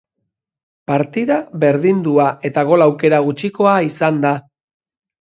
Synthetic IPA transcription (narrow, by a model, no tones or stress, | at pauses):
paɾt̪iðaβe̞ɾðind̪uaʔe̞t̪aɣo̞lawke̞ɾaɣ̞ut͡ʃiko̞aisand̪a